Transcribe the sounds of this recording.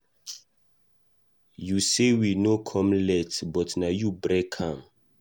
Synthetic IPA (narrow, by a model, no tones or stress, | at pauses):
jusewinokʰɔ̃mlɛtbɔtnajubɾɛkʰãm